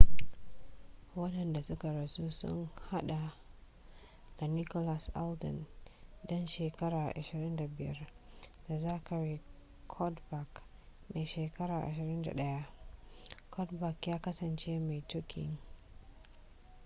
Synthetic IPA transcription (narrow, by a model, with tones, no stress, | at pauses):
wɐ˦ɗɐ˨nda˨sʊ˦ka˨ɾɐ˨su˦sʊ̰˦ŋha˦ɗa˨ | ɡ̥a˨ni˦kɔ˦la˨sʔa˦ldɪ̰˨ndɔ˦nʃeː˨kɐ˦ɾaː˨ʔa˨ʃɪ˨ɾɪ˦nda˨bɪ˨jɐ̰˦rd̥a˨zaː˦kɐ˨ɾi˦ | kʰɔ˦dba˨k | neː˨ʃeː˨kɐ˦ɾaː˨ʔa̰˨ʃɪ˨ɾɪ˦nda̰˨ɗɐ˦ja˦ʔ | kʰɔ˦tba˨kjaː˦kɐ˦sɐ˨nt͡ʃeː˦ma˨jtʊ˦kʲʰɪ̰˨ŋ